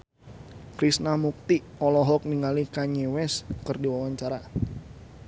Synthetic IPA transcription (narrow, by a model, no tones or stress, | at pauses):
kɾisnamuk̚t̪iɔlɔɦɔk̚niŋalikaɲewɛskərdiwawaɲt͡ʃaɾa